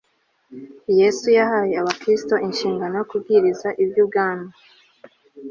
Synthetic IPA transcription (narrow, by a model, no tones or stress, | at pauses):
je̞sujahaːje̞aβakɾisto̞ʔinʃiːŋɡano̞jo̞kubɡiːɾizaʔibjub̚ɡaːna